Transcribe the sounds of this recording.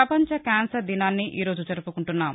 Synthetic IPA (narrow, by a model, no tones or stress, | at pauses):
ɐpɐɲt͡ʃɐkaːnsɐɾd̪inaːnːiʔiːɾo̞ːd͡ʒut͡ʃɐɾupukuɳʈunːaːm